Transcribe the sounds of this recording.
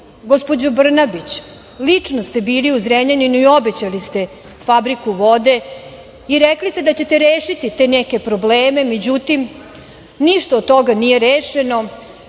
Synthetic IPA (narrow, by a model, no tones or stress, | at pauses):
ɡospod͡ʑobr̩nabit͡ɕ | lit͡ʂnost̪e̞biːliuzɾemɲeninuio̞bet͡ɕalist̪e̞ | fabɾikuʋo̞d̪e̞ | iɾɛklist̪ed̪at͡ɕe̞t̪eɾeːʃit̪it̪e̞ːneke̞pɾobleːme̞med͡ʑut̪im | niʃt̪oːd̪̚t̪o̞ɡanijeɾeːʃeno̞